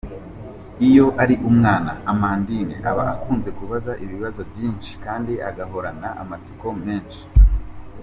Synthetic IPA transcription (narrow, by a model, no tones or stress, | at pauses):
ijo̞ʔaɾiʔumŋaːna̰amandinḛʔaβa̰akuːnze̞kuβazaʔiβiβazovjiːnʃi̥kaːndiaɡaɦo̞ɾanaʔa̰mat͡si̥ko̞meːnʃi̥